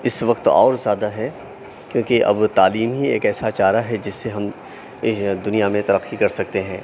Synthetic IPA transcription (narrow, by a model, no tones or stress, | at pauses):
ɪsʋɐqt̪ɔ̰ːɾzjaːd̪aɦɛ | kjõːkeʔɐ̰bt̪aːliːmɦiḛːkɛːsat͡ʃaːɾaɦɛd͡ʒɪsːeɦɐm | d̪ʊnijamẽt̪ɐɾəqːikɐɾsɐk̚t̪eɦɛ̃ː